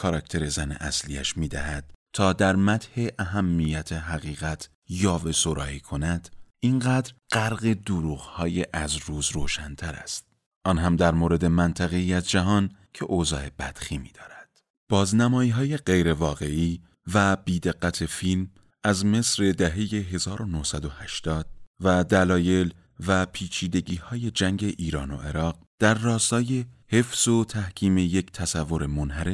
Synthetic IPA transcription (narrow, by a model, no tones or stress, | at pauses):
kʰɒɾɒct̪ʰe̞ɾe̞zænḛʔæ̰sliæʃmiːd̪æɦæd̪̥̚t̪ʰːɒːd̪æɾmæt̪ʰhe̞ʔæɦæmːijæt̪ʰeɦæɣiːɣæt̪ʰ | jɒːvesoɾɒ̰ːiːkʰo̞næd̪̥ʔinɢæːd̪ɾɢæɾɣe̞d̪uɾuːɣhɒːjeʔæzɾuːzɾoːʃænt̪ʰæɾæ̰st̪̚ | ʔɒːnɦæmd̪æɾmoɾe̞d̪e̞mænt̪ʰæɣe̞iːæzd͡ʒæɦɒːncʰe̞̰ʔozɒ̰ːe̞b̥æd̪̥xiːmiːd̪ɒːɾæd̪̥ | b̥ɒːznæmɒːiːɦɒːje̞ɢe̞jɾe̞vɒːɣe̞iː | væb̥iːd̪e̞ɢːæt̪ʰe̞film | æzme̞sɾe̞d̪æɦe̞je̞ɦe̞zɒːɾo̞nohsæd̪o̞hæʃt̪ɒːd̪̥̚væd̪ælɒːje̞l | væpʰiːt͡ʃʰiːd̪e̞ɟiːhɒːje̞d͡ʒæŋɟe̞ʔiːɾɒːno̞̰ʔeɾɒːɢ̚ | d̪̥æɾːɒːst̪ɒːje̞he̞fz̥ot̪ʰæhcʰiːmejecʰt̪ʰæsævːo̞ɾemo̞nhæɾe